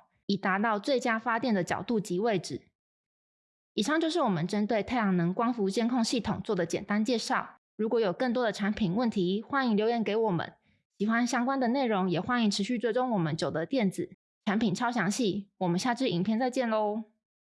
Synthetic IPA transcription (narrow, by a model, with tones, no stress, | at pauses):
i˨˩t̪a˧˥t̪ɑ˥˧ʊt͡swe˥˩ɪt͡ɕja˥fa˥t̪jɛ˥˩nd̪ə˨˩t͡ɕɑ̰˨˩ʊt̪u˥˩t͡ɕi˧˥we˥˩ɪʈ͡ʂɻ̩˨˩ | i˨˩ʂɑ˥˧ŋt͡ɕjo˥˧ʊʂɻ̩˥˩wɔ˨˩mə˦nʈ͡ʂə˥nt̪we˥˧ɪt̪ʰa˥˩ɪjɑ˨˩ŋnə˧˥ŋkwɑ˥ŋfu˧˥t͡ɕjɛ˥˧nkʰo˥˧ŋɕi˥˩t̪ʰʊ˨˩ŋt͡swɔ˥˩d̪ə˩t͡ɕjɛ̰˨˩nt̪a˥nt͡ɕjɛ˥˧ʂɑ˥˩ʊ | ɻu˧˥kwɔ˧˥jo˨˩kə˥˩nt̪wɔ˥d̪ə˨ʈ͡ʂʰa˧˥npʰi˨˩˦nwə˥˩nt̪ʰi˧˥xwa˥ni˧˩ŋljo˧ʊjɛ˧˥nke˧˥ɪwɔ˨˩mə̰˦n | ɕi˨˩xwa˦nɕjɑ˥ŋkwa˥nd̪ə˨ne˥˩ɪɻʊ˧˥ŋjɛ˨˩xwa˥ni˧˩ŋʈ͡ʂʰɻ̩˧˥ɕy˥˧t͡swe˥˩ɪʈ͡ʂʊ˥ŋwɔ˨˩mə˦nt͡ɕjo˨˩ʊd̪ə˦t̪jɛ˥˩nd͡zɹ̩˨˩ | ʈ͡ʂʰa˧˥npʰi˨˩nʈ͡ʂʰɑ˥ʊɕjɑ˧˥ŋɕi˥˩wɔ˨˩mə˨˦nɕja˥˧ʈ͡ʂɻ̩˥˩i˨˩ŋpʰjɛ˥˧nt͡sa˥˧ɪt͡ɕjɛ˥˩nlo˧˦